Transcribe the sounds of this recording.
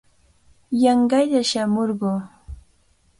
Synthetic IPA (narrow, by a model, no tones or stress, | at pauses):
jɑɴɢɑjʎaʃamoɾɢoː